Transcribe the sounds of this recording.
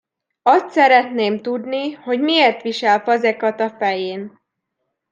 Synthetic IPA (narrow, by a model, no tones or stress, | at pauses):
ɒst̪sɛɾɛt̪neːmt̪ud̪niho̞ɟmieːrt̪ʋiʃɛlfɒzɛkɒt̪ɒfɛjeːn